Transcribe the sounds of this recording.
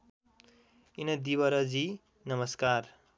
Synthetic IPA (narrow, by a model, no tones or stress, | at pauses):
inʌd̪iwʌɾʌd͡zi | nʌmʌskaɾ